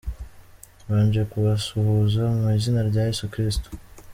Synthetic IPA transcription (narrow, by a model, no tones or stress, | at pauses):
βaːɲɟiekuβasuhuzamizinaɾɟaːjesukɾistu̥